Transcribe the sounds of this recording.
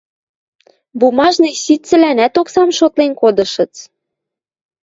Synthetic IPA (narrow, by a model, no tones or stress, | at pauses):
bumɑʒnɤsit̪t͡sɘ̆lænæt̪oksɑmʃot̪lenkod̪ɤ̆ʃɤ̆t͡s